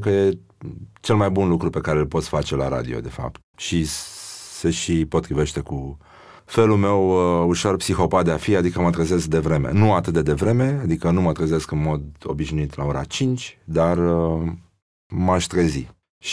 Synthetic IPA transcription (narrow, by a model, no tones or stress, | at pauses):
kəje̞ | t͡ʃe̞lmajbunlukɾupe̞kaɾelpo̞t̪sʲfat͡ʃe̞la̰ɾa̰d̪io̞̰d̪e̞fa̰p̚t̪̚ʃi | seʃipo̞t̪ːɾive̞ʃt̪e̞ku | fe̞lume̞wuʃo̞rpsixo̞pat̪̚d̪eafiad̪ikəmət̪ɾəze̞sk̚d̪e̞vɾe̞me̞̰nuat̪ɨt̪d̪ed̪e̞vɾe̞me̞ad̪ikənumət̪ɾəze̞skɨnmo̞d̪o̞̰biʃnuit̪lao̞ɾa̰t͡ʃint͡ʃʲd̪arə | maʃt̪ɾezi | ʃ